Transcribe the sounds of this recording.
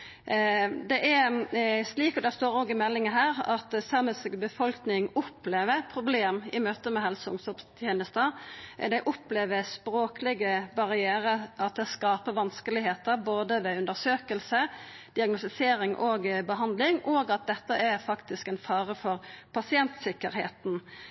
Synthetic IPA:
d̪ɛʔɛ | sliːkɔd̪ɛst̪oːɾoːɡɪmɛlːɪŋəɦæːɾɑt̪sæʁməsɡbəfɔlknɪŋʊpːleːʋəɾpʰɾʊbleːmɪmøːt̪əmɛɦɛlsʊŋsɔpst̪ʰjeːnəst̪əd̪ɛɪʔʊpleːʋəspɾoːkəlɪɡəbɑʁɪeːɾəɑt̪̚d̪ɛskɑːpəʋɑnskəlɪɦeːt̪əɾboːd̪əʋɛʉnd̪əɾsøːkəlsəd̪̥ɪɑɡnʊst̪ɪseːɾɪŋʔoɡbəɦɑnd̪lɪŋɔɡɑt̪̚d̪ɛt̪ːəæfɑkt̪ɪskɛnfɑːɾəfɔɾpʰɑsɪɛnt̪sɪkːəɾhḛːt̪n̩

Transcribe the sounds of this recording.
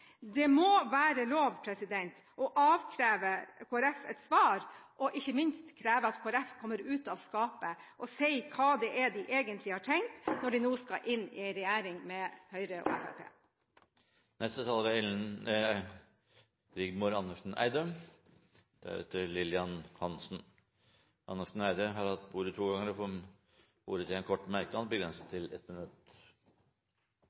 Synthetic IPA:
d̪ɛmɔʋæːɾəloːʋpʰɾɛsɪd̪ɛnt̪ | ʔɔʔɑːʋkʰɾæːʋəkʰoːæɾɛfɛ̰t̪sʋɑːɾʔɔʔɪçːəmɪnst̪kʰɾæːʋəɑt̪kʰoːæɾɛfkʰɔmːəɾʉːt̪ɑʋskɑːpəʔɔsɛɪkʰɑːd̪ɛʔɛd̪ɪʔeːɡənt̪lɪhɑːʈʰɛŋt̪nɔɖɪnuːskɑ̰ʔɪnːɪ̰ɪɾɛjæːɾɪŋmɛhœʏɾəʔɔ̰ɛ̰fæ̰ɾpʰḛː | nɛst̪ət̪ʰɑlɾɑɛln | ɾɪɡmʊɾɑnːəʂn̩æ̰ɪd̪əm | d̪̥æ̰ɾɛ̰t̪əɾlɪlɪɑnhɑnsn̩ | ʔɑnːəʂɳ̩æɪd̪əɦɑɾɑt̪buːɾət̪ʰuːɡɑŋːəɾɔfɔ | bṵːɾət̪ʰɪɛnkʰɔʈːmæɾkəd̪ɑnbəɡɾɛnsət̪ʰːɪlɛt̪mɪnʉt̪

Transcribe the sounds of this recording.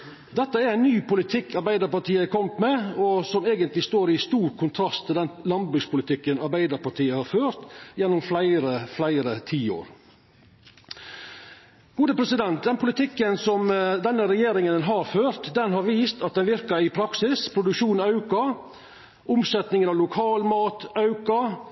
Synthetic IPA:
d̪ɛt̪ːəæɾæɪnːyːpʊlɪt̪ʰɪkʰːɑɾbæɪd̪əɾpɑʈiːəkʰɔmt̪mɛːɔsɔmeːɡənt̪lɪst̪oːɾɪst̪uːɾkʰʊnt̪ʰɾɑst̪ʰːɪld̪ɛnlɑnbɾʉɡspʰʊlɪt̪ʰɪkːənɑɾbæɪd̪əɾpɑʈʰiːəhɑɾføːɾt̪jɛnːʊmflæɪɾəflæɪɾət̪ʰiːo̰ːɾ | ɡ̥uːd̪əpʰɾɛsɪd̪ɛnt̪̚d̪ɛnpʰʊlɪt̪ʰɪkːənsɔmd̪ɛnːəɾɛjeːɾɪŋənɦɑɾføːɾt̪d̪ɛnɦɑɾʋiːst̪ɑt̪̚d̪ɛnʋɪɾkəɾɪpʰɾɑksɪspʰɾʊd̪ʉkʂuːnɑʉkɑ | ʔʊmsɛt̪nɪŋənɑʋlʊkʰɑːlmɑːt̪ɑʉkɑ

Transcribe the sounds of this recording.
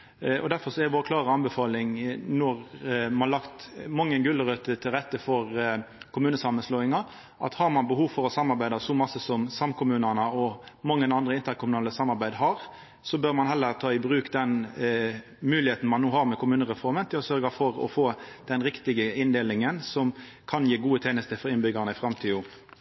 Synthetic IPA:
ɔ̰d̪æɾfɔɾsɔɛd̪ɛʋoːɾəkʰlɑːɾəɑnbɛfɑːlɪŋnɔɾmɑnlɑkt̪mɑŋːənɡʉlːəɾøt̪ət̪ʰɪlʁɛt̪ːəfɔɾkʰʊmʉːnəsɑmːənsloːɪŋɑ | ʔɑ̰t̪hɑɾmɑnbəhuːʋfɔɾɔsɑmːɑɾbæɪd̪ɑsɔmɑsəsɔmsɑmkʰʊmʉːnənəɔmɑŋːənɑnd̪ʁəɪnt̪əɾkʰʊmʉnɑːləsɑmːɑɾbæɪd̪ɦɑɾ | sɔbøɾmɑnɦɛlːəɾt̪ʰɑːɪbʁʉːkd̪ɛn | mʉːlɪheːt̪n̩mɑnːoːhɑʁmɛkʰʊmʉːnəʁɛfɔɾmənt̪ʰɪlɔsœɾɡɑfɔɾɔ̰foːd̪̥ɛnɾɪkt̪ɪɡəɪnd̪eːlɪŋənsɔm | kʰɑnjiːɡuːət̪ʰeːnəst̪əfɔɾɪnbʏɡəʁnəɪfɾɑmt̪ʰiːʊ

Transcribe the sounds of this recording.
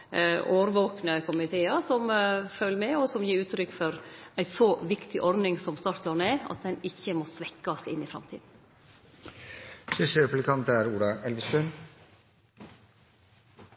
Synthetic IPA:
ʔoːɾʋoːknəkʰʊmɪt̪ʰeːɑɾsɔmfølːəmɛɔsɔmjiːɾʉːt̪ɾʏkːfɔɾæɪsɔʋɪkt̪ʰɪʔɔɾd̪ɪŋsɔmst̪ɑɾt̪ɑɳeːɑ̰t̪̚d̪ɛnɪçːəmɔsʋɛkːɑsɪnːɪfɾɑ̰mt̪ʰiːd̪n̩ | ʂɪʂəɾɛplɪkʰɑnt̪əæːɾuːɖ̪ɑʔɛlʋəst̪œn

